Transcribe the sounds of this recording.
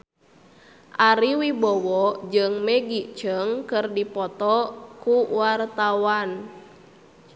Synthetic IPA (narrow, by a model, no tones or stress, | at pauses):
ʔaɾiwibɔwɔd͡ʒɨŋmɛɡit͡ʃəŋkɨrdipɔt̪ɔkuwart̪awan